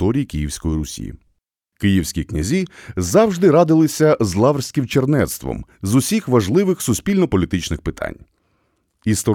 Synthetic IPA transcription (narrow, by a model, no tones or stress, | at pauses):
ɔɾʲijikʲijiwsʲkɔjiɾʊsʲḭjḭ | kɪjiwsʲkʲiknʲɐzʲizɑwʒd̪ɪɾɑd̪ɪlˠɪsʲɐzlˠɑʋrsʲkʲɪmt͡ʃernɛt̪st̪ʋɔ̰mzʊsʲixʋɐʒlˠɪʋɪxsʊsʲpʲilʲnɔpɔlʲit̪ɪt͡ʃnɪxpɪt̪ʰa̰nʲ | ist̪ɔ